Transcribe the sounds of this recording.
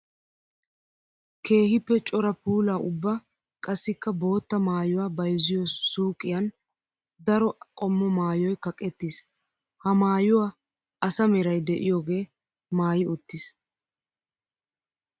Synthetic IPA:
kʰe̞ːɦɪpːɛt͡ʃʼɔɾɐpuːlaːʔʊbːɐ | kʼɐsːɪkːɐbo̞ːt̪ːɐmaːjʊwabɐjzɪjɔsːuːkʼːɪjɐn | d̪ɐɾɔkʼɔmːɔmaːjɔjkɐkʼːɛt̪ːis | hɐmaːjʊwaː | ɐsɐmɛɾɐjd̪ɛʔɪjoːɡe̞ː | maːjɪʊt̪ːɪs

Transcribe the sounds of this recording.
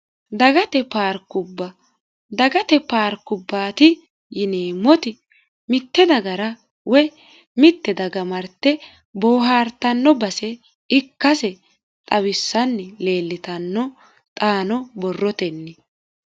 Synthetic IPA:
d̪ɐɡɐt̪ɛpaːɾkʊbːɐ | d̪ɐɡɐt̪ɛpaːɾkːʊbːaːt̪ɪ | jɪneːmːɔt̪ɪ | mɪt̪ːɛd̪ɐɡɐɾɐ | wɛ | mɪt̪ːɛd̪ɐɡɐmɐɾt̪ːɛ | boːɦaːɾt̪ɐnːɔbɐsɛ | ɪkːɐsɛ | t̪ʼɐwɪsːɐnːɛle̞ːlːɪt̪ɐnːɔ | t̪ʼaːnɔbɔrːɔt̪ɛnːɪ

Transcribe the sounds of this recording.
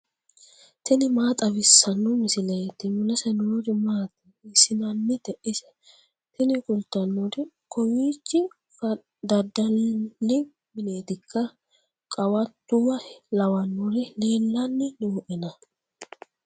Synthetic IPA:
t̪ɪnɪmaːt̪ʼɐwɪsːɐnːʊmɪsɪlɐjt̪ɪmʊlɛsɛnuːɾɪmaːt̪ɪ | ɪsɪnɐnːɪt̪ɛʔɪsɛ̥ | t̪ɪnɪkʼʊlt̪ːɐnːudɪ | kɔwiːt͡ʃːɪ | fɐ | d̪ɐd̪ɐlːɪ | mɪne̞ːt̪ɪkʰːɐ | kʼɐwɐt̪ːʊwɐlɐwɐnːuɾɪleːlːɐnːɪnuːʔɛnɐ

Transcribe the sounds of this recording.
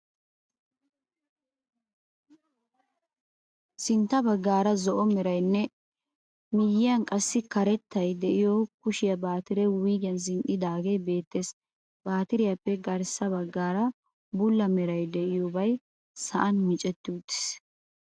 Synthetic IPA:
sɪnt̪ːɐbɐɡːaːɾɐzɔʔɔmɛɾɐjnːɛ | mɪjːɪjɐnkʼɐsːɪkɐɾɛt̪ːɐjd̪ɛʔɪjɔkʊʃɪjɐbaːt̪ɪɾɛwiːɡɪjɐns̬ɪŋʔɪd̪aːɡejbe̞ːt̪ːeːs | b̥aːt̪ɪɾɪjapːɛɡɐɾsɐbɐɡːaːɾɐ | bʊlːɐmɛɾɐjd̪ɛʔɪjɔbɐj | sɐʔɐnmɪt͡ʃʼɛt̪ːɪʊt̪ːɪ̥s

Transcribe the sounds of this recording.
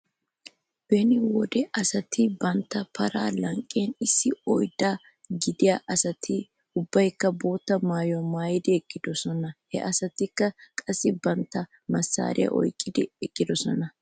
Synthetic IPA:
b̥ɛnɪwɔd̪ɛʔɐsɐt̪ʰɪbɐnt̪ːɐpʰɐɾaːlɐŋkʼːenɪsːɪɔjd̪aː | ɡɪd̪ɪjaːʔɐsɐt̪ʰɪ | ʊbːɐjkːɐbo̞ːt̪ːɐmaːjɔmaːjɪd̪ɪɛkʼːɪd̪ɔsɔnɐhɛ̰ʔɐsɐt̪ɪkːɐkʼɐsːɪbɐnt̪ːɐ | mɐsːa̰ːɾʔɪ̰ja̰ʔɔ̰jkʼːɪd̪ɪɛkʼːɪd̪ɔsɔnɐ

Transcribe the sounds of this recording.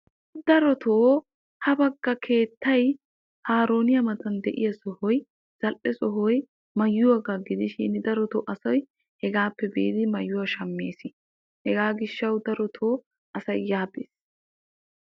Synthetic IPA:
d̪̥ɐɾɔt̪ʰoː | hɐbɐɡːɐkʰe̞ːt̪ʰːɐj | haːɾo̞ːnɪjɐmɐt̪ɐnd̪ɛʔɪjɐsɔhɔj | z̥ɐlʔɛsɔɦɔj | mɐjːʊwɐɡaɡɪd̪ɪʃɪnd̪ɐɾɔt̪ɔːʔɐsɔj | hɛɡaːpːɛbiːd̪ɪmɐjːʊwɐʃɐmːeːsɪ | hɛɡaːɡɪʃːɐwd̪ɐɾɔt̪ʰoː | ʔɐsɐjːaːbḛːs

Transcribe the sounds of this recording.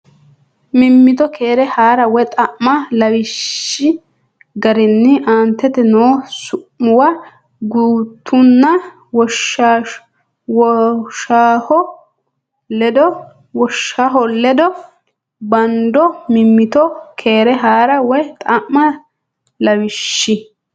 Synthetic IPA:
mɪmːɪt̪ɔkʰeːɾɛhaːɾɐwɔjt̪ʼɐʔmɐlɐwɪʃːɪ | ɡɐɾɪnːɪʔaːnt̪ːɛt̪ɛnoːsʊʔʊwɐ | ɡuːt̪ʰːʊnːɐ | wɔʃa | wɔʃaːhɔ | lɛd̪ɔ | wɔʃːaɦɔlɛd̪ɔ | bɐnd̪ɔmɪmːɪt̪ɔkʰe̞ːɾɛɦaːɾɐwɔjt̪ʼɐʔmɐ | lɐwɪʃːɪ

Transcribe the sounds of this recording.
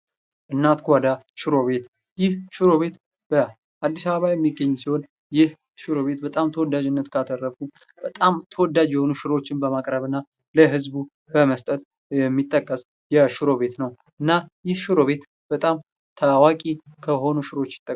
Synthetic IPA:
ʔɨnːat̪ɡʷad̪a | ʃɪɾo̞βe̞t̪ | jɪhʃɪɾo̞βe̞t̪ | b̥ə | ʔad̪ːisaβəβajɛmːiɡːəɲːsiho̞n | jɪh | ʃɨɾo̞βe̞t̪bət̪ʼamt̪ʰəwɔd̪ːad͡ʒɪnːət̪kʰat̪ʰərːəfu | b̥ət̪ʼamt̪ʰəwɔd̪ad͡ʒjɛho̞nuʃɪɾo̞t͡ʃːɪnbəmakʼɾəβɨnːa | ləɦɨzbu | bəməst̪ʼət̪ʼ | jɛmːit̪ʼːəkʼːəs | jɛʃɪɾo̞βe̞t̪nəw | ʔɨnːajɪhʃɪɾo̞βe̞t̪ | b̥ət̪ʼam | t̪ʰawakʼikʰəɦo̞nuʃɪɾo̞t͡ʃːjɪ̥t̪ʼːə

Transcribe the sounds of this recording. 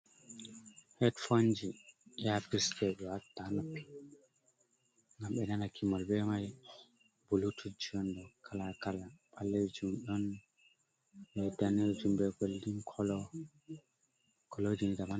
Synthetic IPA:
hɛtfond͡ʒiapistʰɛɗɔwatːanɔkːi̥ | ŋɡamɓɛnanakʰimɔlbɛmaj | b̥ulutʰud͡ʒɔndɔkʰalakalaɓalːɛd͡ʒumɗɔn | bɛdanɛd͡ʒumbɛɡoldinkʰɔlɔ | kʰɔlɔd͡ʒinɡaman

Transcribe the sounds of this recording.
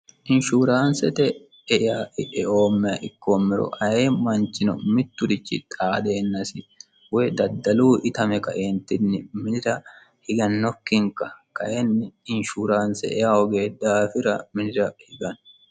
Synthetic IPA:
ʔɪnʃuːɾaːnsɛt̪ɛ | ɛjaːʔɪɛʔoːmːɛɐʔɪkːoːmːɛɾɔ̰ʔɐheːmɐnt͡ʃɪnɔ̰mɪt̪ːʊd̪ɪt͡ʃːɪt̪ʼaːd̪e̞ːnːɐsɪ | wed̪ɐd̪ːɐluːʔɪt̪ɐmɛkɐʔeːnt̪ɪnːɪmɪnɪɾɐ | hɪɡɐnːɔkːɪŋkɐkɐʔɛnːɪɪnʃuːɾaːnsɛ̰ʔɛ̰jaːhɔɡeːd̪ːaːfɪɾɐmɪnɪɾɐhɪɡɐn

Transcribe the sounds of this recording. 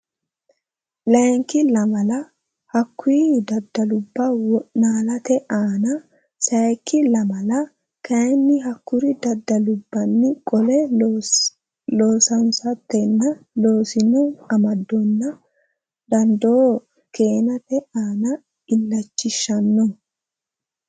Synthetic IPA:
lɐŋkɪlɐmɐlɐ | hɐkːʊid̪ɐd̪ːɐlʊbːɐwɔʔnaːlɐt̪ɛʔaːnɐ | sɐjkːɪlɐmɐlɐ | kɐjɛnːɪɦɐkːʊɾɪd̪ɐd̪ːɐlʊbːɐnːɪkʼɔlɛ | loːsɐnsɐt̪ːɛnːɐlo̞ːsɪnɔɐmɐd̪ːɔnːɐ | d̪ɐnd̪oː | ke̞ːnɐt̪ɛaːnɐ | ɪlːɐt͡ʃːɪʃːɐnːɔ

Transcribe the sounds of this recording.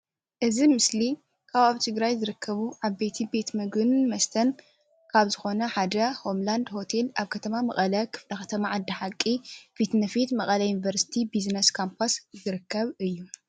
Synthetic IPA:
ʔɨzimɨsli | kʰaβaβt̪ʰɨɡɾajzɨɾɨkʰːɐβuʕaβbe̞t̪ʰibe̞t̪mɨɡɨnmɐst̪ʰɐn | kʰaβzɨxo̞nɐħad̪ɐho̞mland̪ho̞t̪ʰe̞lʔaβkʰɐt̪ʰɐmamɐχʼɐlɐkʰɨ̥flɐxɐt̪ʰɐmaʕad̪ːɐħakʼːifit̪nɐfit̪mɐkʼɐlɐjunivɐɾsi̥t̪ʰibiznɐskʰompʰaszɨɾɨkːɐβɨjːu

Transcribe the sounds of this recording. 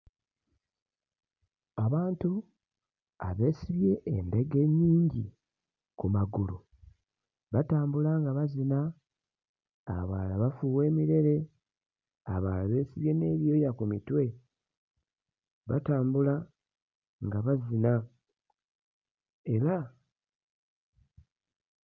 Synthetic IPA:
aβaːntu | a̰βe̞ːsiβje̞ʔːnde̞ɡe̞ɲːiːɲɟḭ | kumaɡulu | βataːmbulaŋɡaβazina | βaːlaβafuwe̞ːmiɾe̞ɾe̞ | a̰βa̰ːlaβe̞ːsiβje̞ne̞ːβjo̞jakumitwe̞ | βa̰taːmbula | ŋɡaβazina | e̞ɾa

